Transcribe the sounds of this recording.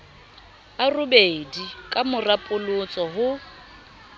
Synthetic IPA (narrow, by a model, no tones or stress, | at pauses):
arʊbedikʼamʊrapʼʊlʊt͡sʼɔɦʊ